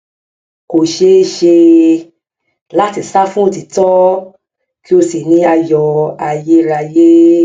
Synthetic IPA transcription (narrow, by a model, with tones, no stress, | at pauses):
ko˨ʃe˧˦ʃe˧ | la˦ti˧˨sa˦fũ˦o˦˨ti˨tɔ˦ | ki˦o˧si˨nĩ˨˦a˧jɔ˧a˧˨je˦ɾa˧je˦